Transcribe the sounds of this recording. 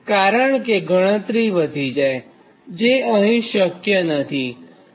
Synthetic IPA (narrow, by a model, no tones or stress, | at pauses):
kaɾəɳkeɡʱəɽ̃ə̃t̪ɾiʋəd̪ʱid͡ʒae | d͡ʒeəɦĩʃəkjənət̪ʰi